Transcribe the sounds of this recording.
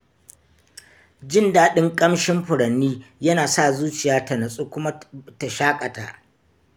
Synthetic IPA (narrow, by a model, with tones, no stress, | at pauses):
d͡ʒɪ˦˨ndaː˦ɗɪ˦ŋkʼɐ˦mʃɪ˦mɸʊ˨ɽɐ˨nːiː˦jɐ˦naː˨sa˦˨zuː˦t͡ʃɪ˨jaː˦tɐ˨nɐ˨sʼuː˦kʷʊ˦ma˦ta˨ʃaː˦kʼɐ˨ta̰ː˨ʔ